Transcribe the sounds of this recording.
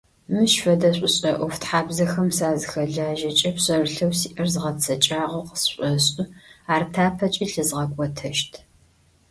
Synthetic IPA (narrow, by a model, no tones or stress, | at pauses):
mɨɕfɐdɐɕʷʼʊɕʼɐʔʷɔftħaːbzɐxɐmsaːzɨxɐɮaːʒɐt͡ʃʼɐpɕʼɐrɨɬɐwsiːʔɐrzɨʁɐt͡sʰɐt͡ʃʼaːʁɐwqə̥sɕʷʼɔɕʼɨaːrtʰaːpʰɐt͡ʃʼiːɬɨzʁɐkʷʼɔtʰɐʃtʰ